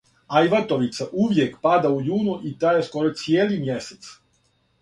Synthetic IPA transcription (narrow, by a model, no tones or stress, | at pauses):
ajʋat̪o̞ʋit̪saʔuʋjekpad̪aujuːnuʔit̪ajesko̞ɾot̪sijeːlimje̞set̪s